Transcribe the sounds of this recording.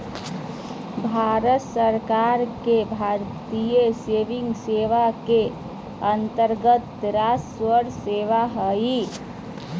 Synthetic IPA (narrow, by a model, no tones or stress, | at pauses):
bʱaɾət̪səɾkaɾkebʱaɾt̪ijeseʋiŋɡseʋake | ənt̪əɾɡət̪ɾasswəɾseʋaɦəi